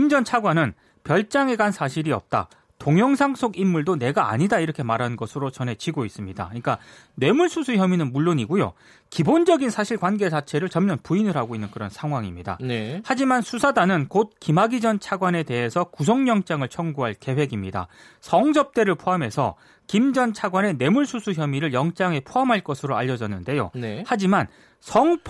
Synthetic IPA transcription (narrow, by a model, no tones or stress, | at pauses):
ind͡ʑʌnt͡ɕʰaɡwanɯn | pjʌɭt͡ɕ͈aŋe̞ɡansʰaɕʰiɾiʌ̰p̚t͈a̰ | toŋjʌŋsʰaŋsʰoɡinːuɭdone̞ɡaa̰ɲidaiɾʌkʰe̞maɾɦannɡʌsʰɯɾot͡ɕʌnɦe̞t͡ɕiɡois͈ɯmɲida̰ɯɲik͈a | nwe̞muɭsʰusʰuçjʌminɯnmuɭːoɲiɡujo̰ | kibond͡ʑʌɡinsʰaɕʰiɭkwanɡe̞t͡ɕat͡ɕʰe̞ɾɯɭt͡ɕʌmɲjʌnpuinɯɾɦaɡoinːɯnkɯɾʌnsʰaŋɦwaŋimɲida̰nehad͡ʑimansʰusʰadanɯnkot̚kimaɡid͡ʑʌnt͡ɕʰaɡwane̞te̞ɦe̞sʰʌkus̬ʰʌŋɲʌŋt͡ɕ͈aŋɯɭt͡ɕʰʌŋɡuɦaɭke̞we̞ɡimɲida̰ | sʰʌŋd͡ʑʌp̚t͈e̞ɾɯɭpʰoɦamɦe̞sʰʌ̰ | kimd͡ʑʌnt͡ɕʰaɡwane̞ne̞muɭsʰusʰuçjʌmiɾɯɭjʌŋt͡ɕ͈aŋe̞pʰoɦamɦaɭk͈ʌsʰɯɾoaʎːʌd͡ʑʌnːɯnde̞jo̰nhad͡ʑiman | sʰʌŋpʰ